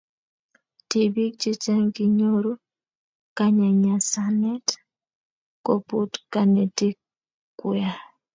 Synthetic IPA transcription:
ti˨bi˦k̚t͡ʃi˦t͡ʃa˦ŋki˦ɲo˦ɾu˦ | ka˦ɲa˨ɲa˨sa˦nɛ˦t | ko˨pu˦tka˨nɛ˨ti˦k | kːu˦ja˨

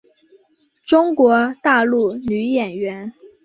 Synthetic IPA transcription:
ʈ͡ʂʊ˥ŋkwɔ˧˥t̪a˥˧lu˥˩ny˧˥jɛ˨˩nɥɛ˧˥n

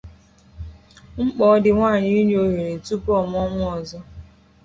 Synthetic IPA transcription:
ŋ͡m̩˦k͡pɔ˦dɪ˨ŋʷaː˦˨ɲɪ˦ɲ˦o˦ɦe˨ɾe˨tu˦pɔ˦˨m˦ɔ˦ŋʷʊ˦ɔ˨zɔ˦

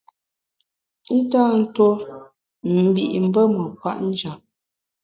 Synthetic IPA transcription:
i˦ta˦˨n̩˦to˦ | m̩˨bi˨ʔm̩˨˦bə˦mə˨kwa̰˦ʔn̩˦d͡ʒa˨p̚

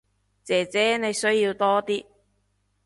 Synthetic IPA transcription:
t͡sɛː˨˩t͡sɛː˨˥ne˨˧jsɵ˥ɥjiː˧wt̪ɔː˥t̪iː˥

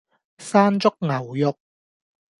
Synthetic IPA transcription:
saː˥nt͡sʊ˥k̚ŋɐ˨˩wjʊ˨k̚

